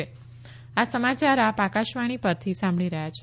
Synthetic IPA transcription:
e | asəmat͡ʃaɾapakaʃʋaɽ̃ipəɾt̪ʰisãmbɭiɾəɦjat͡ʃʰ

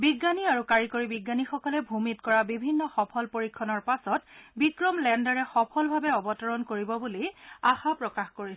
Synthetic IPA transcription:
biɡːaniaɹukaɹikoɹibiɡːanixɔkɔlɛbʱumitkɔɹabibʱinːɔxɔpʰɔlpoɹikʰːɔnɔɹpasɔtbikɹɔmlɛndaɹɛxɔpʰɔlbʱabɛɔbɔtɔɹɔnkoɹibɔbuliaxapɹɔkaxkoɹis

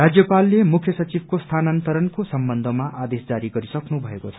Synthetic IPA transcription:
rad͡zjʌpalːemukʰjʌsʌt͡sibʱkost̪ʰanant̪ʌɾʌnkosʌmbʌnd̪ʱʌmaʔad̪esd͡zaɾiɡʌɾisʌknubʱʌekot͡sʰʌ̥

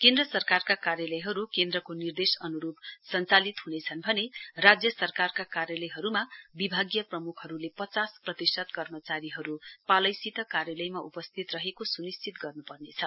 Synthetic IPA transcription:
kend̪rʌsʌrkarkakarjalʌjɦʌɾukend̪rʌkonird̪esʌnuɾubsʌnt͡salit̪ɦunet͡sʰʌnbʱʌnerad͡zjʌsʌrkarkakarjalʌjɦʌɾumabibʱaɡjʌprʌmukʰhʌɾulepʌt͡sasprʌt̪isʌt̪kʌrmʌt͡saɾiɦʌɾupalʌjsit̪ʌkarjalʌjmaʔupʌst̪ʰit̪rʌɦekosunist͡sʰit̪ɡʌrnupʌrnet͡sʰʌ

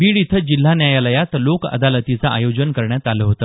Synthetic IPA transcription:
biɭit̪ʰəd͡ʑil̤ːanjajaləjat̪lokə̰d̪alət̪it͡saʔa̰jod͡ʑənkəɾɳjat̪aləɦot̪əː

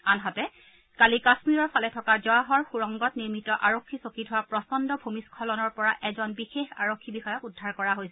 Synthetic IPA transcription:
anɦatɛ | kalikasmiɹɔɹpʰalɛtʰɔkazɔaɦɔɹxuɹɔŋɡɔtniɹmitɔʔaɹokʰːisokitʰʊwapɹɔsɔndɔbʱumiskʰɔlɔnɔɹpɔɹaʔɛzɔnbixexa̰ɹokʰːibixɔjɔkudʱːaɹkɔɹaɦojsɛ

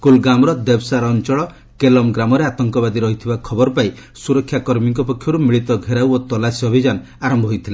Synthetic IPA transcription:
kulɡamɾɔd̪ebsaɾːnt͡ʃɔɭɔ | kelɔmɡɾamɔɾeat̪ɔŋkɔβad̪iɾɔɦit̪ʰibakʰɔbɔɾpai | suɾɔkʰːjakɔɾmiŋkɔpɔkʰjɔɾumiɭit̪ɔɡʱeɾawot̪ɔlasiɔbʱid͡ʒan | aɾɔmbʱɔɦojt̪ʰile

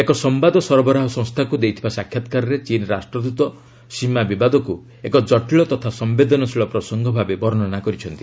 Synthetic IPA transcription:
ekɔsɔmbad̪ɔsɔɾɔbɔɾaɦɔsɔ̃ŋst̪ʰakud̪ejt̪ʰibasakʰːjat̪kaɾɔɾet͡ʃinɾasʈɾɔd̪ut̪ɔ | simabibad̪ɔku | ekɔd͡ʒɔʈiɭɔt̪ɔt̪ʰasɔmbed̪ɔnɔsiɭɔpɾɔsɔŋɡʱɔbʱabebɔɾɔnɔnakɔɾit͡ʃʰɔnt̪i

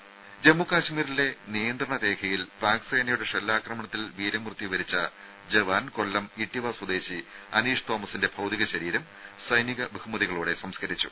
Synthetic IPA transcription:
d͡ʑe̞mːukaːɕmiːɾile̞nijɐnd̪rɐɳɐɾe̞ːkʰɐjilpaːksɐjnɐjuɽeʂelːaːkrɐmɐɳɐt̪ːilʋiːɾɐmrɨt̪ːiʋɐɾit͡ɕːɐ | d͡ʑeʋaːnko̞lːɐmiʈːiʋaːswɐd̪e̞ːɕiɐniːʂt̪oːmɐsinde̞bʱɐwd̪iɣɐɕɐɾiːɾɐm | sɐjniɣɐbʱuhumɐðiɣɐɭuːɽe̞sɐmskɐɾit͡ɕːu̥̰

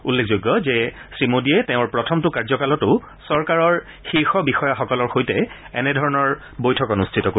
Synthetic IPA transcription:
ulːekʰzojɡːɔzɛsɹimodiɛtɛʊ̃ɹpɹɔtʰɔmtʊkaɹzɔkalɔtʊ | sɔɹkaɹɔɹ | xiɹxɔbixɔjaxɔkɔlɔɹxojtɛ | ɛnɛdʱɔɹɔnɔɹ | bojtʰɔkɔnustʰitɔko

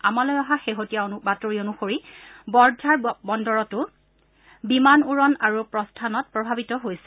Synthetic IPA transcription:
amalɔjaɦaxeɦotijaobatoɹionuxoɹibɔɹdʱaɹbɔndɔɹɔtʊ | bimanuɹɔnaɹupɹɔstʰanɔt̚pɹɔbʱabitɔɦojsɛ̥

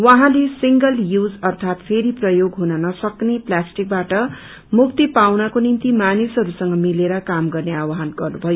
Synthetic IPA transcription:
wʌ̃ɦãlesiŋɡʌljud͡zʌrt̪ʰat̪pʰeɾiprʌjoɡɦunʌnʌsʌkneplasʈik̚baʈʌ | muk̚t̪ipawnʌkonint̪imanisɦʌɾusʌŋɡʌmileɾʌkamɡʌrneawaɦanɡʌrnubʱʌjo

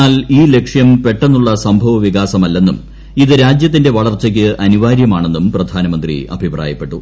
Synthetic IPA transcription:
aːliːle̞kʂjɐmpe̞ʈːe̞nːuɭːɐsɐmbʱɐʋɐʋiɣaːsɐmɐlːe̞nːum | iðɨɾaːd͡ʑjɐt̪̬ːinde̞ʋɐɭɐrt͡ɕːɐk̬ʲːɨʔɐniʋaːɾjɐmaːɳe̞nːumprɐd̪ʱaːnɐmɐnd̪rḭɐ̰bʱipra̰ːjɐpːe̞ʈːu

